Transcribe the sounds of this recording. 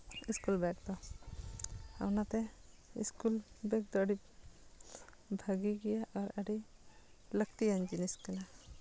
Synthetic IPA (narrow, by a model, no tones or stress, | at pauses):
iskulbɛk̚d̪ɔ | a̰wnat̪ɛḭskulbɛk̚d̪ɔəɖi | bʱaɡiɡɛjaʔɔɾəɖi | ləkt̪iand͡ʒiniskɛna